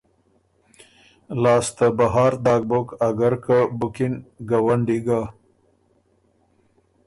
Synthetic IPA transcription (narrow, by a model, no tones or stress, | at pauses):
lɑːst̪əbaɦɑːɾd̪ɑːɡ̚bokaɡaɾkabukinɡawaɳɖiɡa